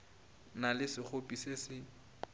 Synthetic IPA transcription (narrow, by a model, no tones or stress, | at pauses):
nalɪsɪk͡xopʼisesɪ